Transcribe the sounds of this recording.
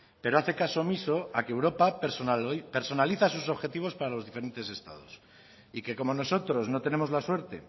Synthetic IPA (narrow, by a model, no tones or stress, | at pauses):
pe̞ɾoaθe̞kaso̞miso̞akeːwɾo̞pa | peɾso̞naliθasuso̞βxe̞t̪iβo̞spaɾalo̞zðife̞ɾe̞nt̪e̞se̞st̪a̰ð̞o̞̰s | ike̞ko̞mo̞no̞so̞t̪ɾo̞znot̪e̞ne̞mo̞zlaswe̞ɾt̪e̞̰